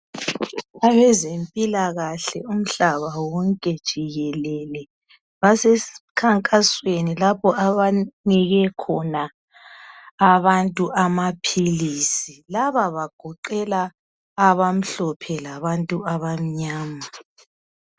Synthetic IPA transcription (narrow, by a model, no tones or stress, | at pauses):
aβɛzempʼilaɣaɬɛum̩ɬaβawɔŋkʼɛd̥ʒ̥ʱiɣɛlɛlɛ | βasɛskʰaŋkʼaswenilapʰɔaβaniɣɛkʰɔna | βantʼuʔamapʰilisilaβaβaɡ̥ʱɔǃɛlaː | βam̩ɬɔpʰɛlaβantʼuaβam̩ɲaːma